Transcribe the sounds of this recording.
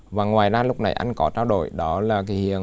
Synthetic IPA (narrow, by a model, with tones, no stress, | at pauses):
vaː˨˩ŋwaː˨˩jzaː˧lʊ˦˥k͡p̚na̰˨˩jʔa˧jŋ̟kɔ˨˦t͡ɕaː˧wɗo̰˧˨jɗɔ˨˦laː˨˩ki˨˦hḭ˧˨ə